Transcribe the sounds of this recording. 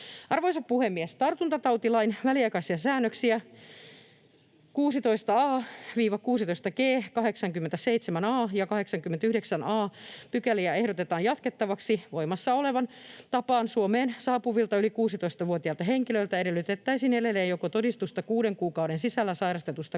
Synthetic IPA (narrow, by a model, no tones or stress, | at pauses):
ɑrʋoisɑppuhemːiest̪ɑrt̪unt̪ɑt̪ɑwt̪ilɑinʋæliɑikɑisiɑsæːnːøksiæ | kuːsit̪o̞ist̪ɑɑːʋiːʋɑkuːsit̪oist̪ɑɡeːkɑɦeksɑŋkymːent̪æseit̪semænɑːjɑkɑheksɑŋkymːent̪yhdeksænɑːpykæliæehɾot̪et̪ɑːjɑt̪ket̪ːɑʋɑksiʋo̞imɑsːɑo̞le̞ʋɑnt̪ɑpɑːnsuomeːnsɑːpuʋilt̪ɑylikuːsit̪oist̪ɑʋuot̪iɑlt̪ɑɦeŋkiløilt̪æeɾelːˑyt̪et̪ːæisiːnedelːeːjokot̪odist̪ust̪ɑkuːdeŋkuːkɑwɾensisælːæsɑiɾɑst̪et̪ust̪ɑ